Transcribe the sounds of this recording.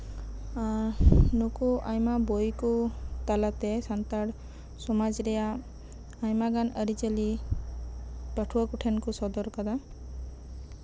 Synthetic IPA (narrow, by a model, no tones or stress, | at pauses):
aɾnukuajmabojkut̪alat̪ɛsant̪aɽ | sɔmad͡ʒɾɛjaː | jmaɡanəɾit͡ʃəli | pəʈʰuwakuʈʰenkusɔd̪ɔɾkad̪a